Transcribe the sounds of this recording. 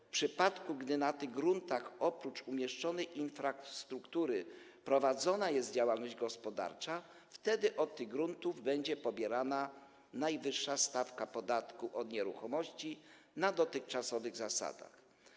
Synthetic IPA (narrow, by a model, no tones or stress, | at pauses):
fpʂɘpat̪kuɡd̪ɘnat̪ɘɣɡɾunt̪axɔpɾut͡ʂumʲjɛʂt͡ʂɔnɛjʔinfɾast̪ɾukt̪uɾɘ | pɾɔvad̪zɔnajɛst̪̚d͡ʑawalnɔʑd͡ʑɡɔspɔd̪a̰ɾt͡ʂa | ft̪ɛd̪ɘʔɔt̪ːɘɣɡɾunt̪uvbɛɲd͡ʑɛpɔbʲjɛɾana | najvɘʂːast̪afkapɔd̪at̪kuʔɔd̪ɲɛɾṵxɔmɔɕt͡ɕi | nad̪ɔt̪ɘxt͡ʂasɔvɘɣzasa̰d̪a̰x